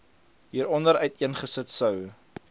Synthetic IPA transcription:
ɦiːɾɔndəɾœɥtiənχəsətsœw

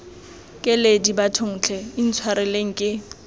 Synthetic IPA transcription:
kʼɪledibatʰʊŋ̩ːt͡ɬʰɛin̩t͡sʰwaɾɪleŋ̩kʼɪ

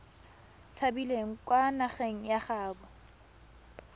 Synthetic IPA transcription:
t͡sʰabileŋ̩kwanaχeŋ̩jaχaːbɔ

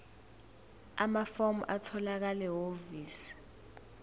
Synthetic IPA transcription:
amafomʔatʰɔlak̬alɛɦoviːs

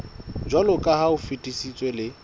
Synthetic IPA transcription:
d͡ʒwalʊkʼahaʊfitʼisit͡sʼwelɪ

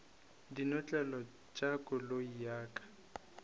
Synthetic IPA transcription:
dinɔt͡ɬʼɛlɔ | t͡ʃʼakʼʊloijaːkʼḁ

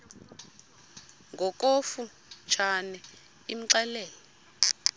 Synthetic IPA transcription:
ŋɡʱɔk̬ʼofu | t͡ʃʰanɛ | im̩ǀɛlɛːlɔ

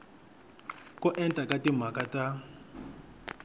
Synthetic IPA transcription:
kɔʔɛntʼakatim̤akata

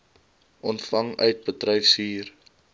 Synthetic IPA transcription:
ʔɔntfɐŋœɥt̚bətrɛjfsiːr

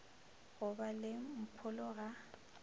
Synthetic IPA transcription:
ɣʊbalɪm̩pʰʊlʊɣa

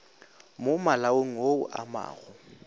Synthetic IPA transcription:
mʊmalaoŋ̩ɦoʊʔama̰ːɣʊ

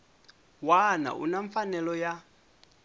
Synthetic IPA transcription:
wana̰ʔṵnaɱfanɛlɔja

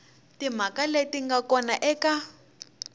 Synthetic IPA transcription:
tim̤akaletiŋɡakɔnaʔɛka

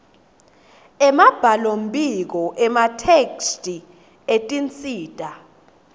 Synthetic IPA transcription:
ɛmab̥ʱalom̩bʱʼik̬ɔʔɛmatʰekstʼi | etʼint͡sʼiːtʼa

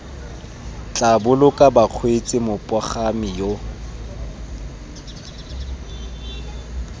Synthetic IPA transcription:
t͡ɬʼabʊlʊkʼabaq͡χʰwet͡sʼɪmʊpʼɔχamijo

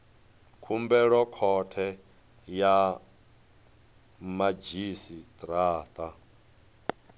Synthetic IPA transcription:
kʰumbɛɺɔkʰɔtʰɛ | ja | mad͡ʒisit̪ʼɾaːt̪ʼa

